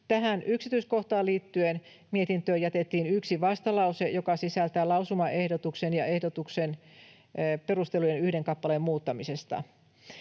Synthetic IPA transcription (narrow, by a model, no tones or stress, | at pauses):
t̪æɦænʔyksit̪yisko̞ht̪ɑːliːt̪ːyen | miet̪int̪øːjæt̪et̪ːiːnyksiʋɑst̪ɑlɑusejokɑsisælt̪æːlɑusumɑʔe̞hdot̪uksenjɑe̞hdot̪uksen | pe̞rust̪elujenyhdeŋkɑpːɑlemmuːt̪ːɑmisest̪ɑ̰